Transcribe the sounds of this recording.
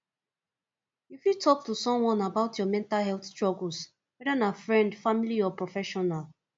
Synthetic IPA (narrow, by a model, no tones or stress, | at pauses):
ufitʰɔk̚tusɔ̃mwɔ̃nabaʊtʰjɔmɛ̃ntalɦɛlθstɹɔɡl̩s | wɛdanafɹɛ̃ndfamiliɔpɹɔfɛʃɔnal